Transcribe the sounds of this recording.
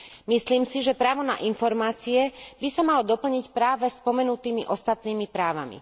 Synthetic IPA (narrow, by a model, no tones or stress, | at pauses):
misliːmsiʒɛpɾaːʋɔna̰ʔinfɔɾmaːt͡siɛbisamalɔd̪ɔpl̩ɲicpɾaːʋɛspɔmɛnut̪iːmiʔɔst̪at̪niːmipɾaːʋa̰mḭ